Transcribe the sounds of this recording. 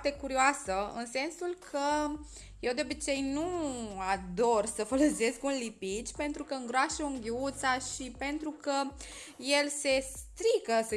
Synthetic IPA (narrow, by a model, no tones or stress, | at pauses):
t̪e̞kuɾioasəɨ̰nse̞nsulkʰə | jewd̪eo̞bit͡ʃe̞jnuad̪orsəfoləse̞skunlipit͡ʃpe̞nt̪ɾukəɨŋɡɾoaʃeuŋɡʲiut̪saʃipe̞nt̪ɾukə | je̞lse̞st̪ɾikəs